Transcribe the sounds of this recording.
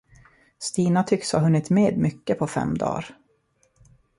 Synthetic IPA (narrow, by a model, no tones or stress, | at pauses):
st̪iːnat̪ʰʏksha̰ɦɵnːɪt̪meːd̪mʏkːəpʰɔfɛ̰mːd̪ɑ̰ːɾ